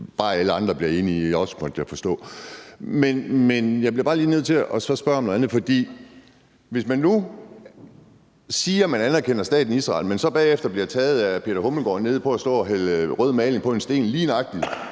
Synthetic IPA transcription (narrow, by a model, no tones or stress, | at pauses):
b̥ɑ̈ːæləɑ̈nd̥ʁɐb̥liɐe̝ːniɒ̽smɒd̥jæfɒ̽sd̥ɔ̰̽ː | menmenjɑ̈ɪbliɐb̥ɑ̈ːliːneð̰ˠt͡sʰe̝ɒ̽sɒ̽sb̥ɶɐɒmnoð̩ˠænð̩ˠfɒ̽d̥ḭː | ʋe̝smænːu | siːɐmænænɐkʰenɐsd̥ɛ̰ːd̥n̩iisʁɑ̰̈ːlmensɒ̽b̥ɛːefd̥ɐb̥liɐɑt͡sʰɛːð̞̩ˠæpʰe̝d̥ɐhoml̩ɡ̥ɒ̰ːne̝ð̞̰ˠpʰɒ̽æsd̥ɔ̰ːɒɦælʁœð̞̰ˠmɛːleŋ̩pʰɒ̽e̝nsd̥e̝̰ːnliːnɑ̈ɡ̥̚d̥i